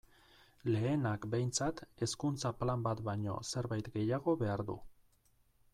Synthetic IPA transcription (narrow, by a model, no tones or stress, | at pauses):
le̞ːnakbe̞jnt͡sat̪e̞skunt͡saplambat̪baɲo̞̰se̞ɾβajt̪ɡe̞jaɣ̞o̞βe̞aɾðṵ